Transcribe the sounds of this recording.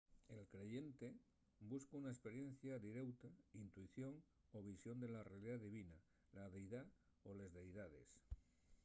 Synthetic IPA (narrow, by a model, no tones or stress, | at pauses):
e̞lkɾe̞ʝe̞nt̪e̞ | buskaunaespe̞ɾje̞n̟θjaðiɾe̞wt̪aint̪uiθjo̞ŋ | oβ̞isjo̞nd̪e̞larealiðaðiβina | laðe̞jða | ole̞zðejðað̞e̞̰s